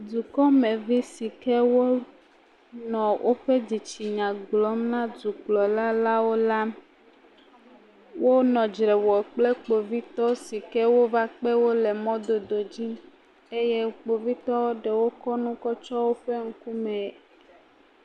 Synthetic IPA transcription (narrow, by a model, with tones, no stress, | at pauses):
du˨kɔ˦mẽ˨vi˦si˨kɛ˦wo˦ | nɔ̃˨wʔo˦ɸe˦d͡ʑi˨t͡ɕi˨ɲã˨ɡ͡bɡlɔ˦mnã˦du˨k͡plɔ˨la˦la˦wo˦la˦ | wʔo˦nɔ̃˨d͡ʒɾɛ˨wɔ˨k͡ple˦k͡po˨vi˦t̪ɔ˦si˨kɛ˦wo˦va˦k͡pe˦wo˦le˨mɔ̃˦d̪o˨d̪o˨d͡ʑi˦ | e˦je˦k͡po˨vi˦t̪ɔ˦wo˦ɖe˨wo˦kɔ˦nũ˦kɔ˦t͡ʃɔ˦wo˦ɸe˦ŋ̩˦ku˦mɛ̃˨